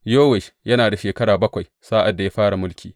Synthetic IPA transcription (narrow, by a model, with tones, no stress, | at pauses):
joː˦wɛ˨ʃjɐ˦naː˨da˨ʃeː˨kɐ˦ɽaː˨bɐ˦kʷa˨j | saː˦ʔa˨dːa˨ja˦ɸaː˦ɽa˨mʊ˦lkʲʰiː˨